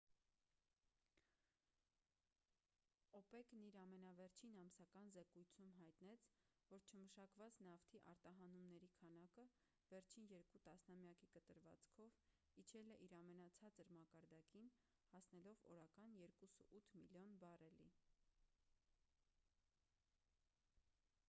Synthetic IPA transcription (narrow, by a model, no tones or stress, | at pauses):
ɔpɛkniɾɑmɛnɑvɛɾt͡ʃʰinɑmsɑkɑnzɛkujt͡sʰumɦɑjt̪nɛt͡sʰvɔɾt͡ʃʰəməʃɑkvɑt͡snɑft̪ʰiʔɑɾt̪ɑɦɑnumnɛɾikʰɑnɑkə | vɛɾt͡ʃʰinjɛɾkut̪ɑsnɑmjɑkikət̪əɾvɑ̰t͡skʰɔv | it͡ʃʰɛlɛʔiɾɑmɛnɑt͡sʰɑt͡səɾmɑkɑɾd̪ɑkin | hɑsnɛlɔvɔ̰ɾɑkɑnjɛɾkusəʔut̪ʰmḭljɔnbɑrɛli